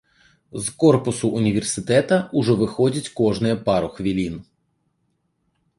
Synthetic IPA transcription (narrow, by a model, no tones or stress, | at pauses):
zkɔrpʊsʊʔʊnʲiʋʲersɪt̪ɛt̪ɐʊʒɛʋɪxɔdʲɐtʲkɔʐnɪjɛpɑɾɔxʋʲilʲin